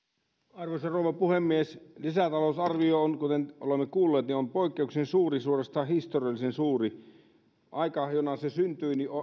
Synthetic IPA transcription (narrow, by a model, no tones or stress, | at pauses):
ɑrʋosɑroːʋɑpuhemːieslisæt̪ɑlousɑrʋioonkut̪enʔo̰lemːekuːlːeːt̪niompoikːeuksensuːrisuːrest̪ɑhist̪oriɑlːˑisensuːri | ʔɑikɑjonɑsesynt̪yinio